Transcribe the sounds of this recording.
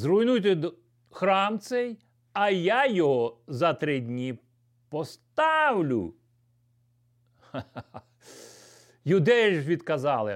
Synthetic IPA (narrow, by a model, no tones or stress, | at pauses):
zrujnujt̪ɪd̪ɔ | xɾɑmt̪sɛj | ɐjajɔɦɔzɐt̪ɾɪdʲnʲi | pɔst̪ɑwlʲʊ̰ | jud̪ɛʒʋʲid̪kɐzɑlˠɪ̰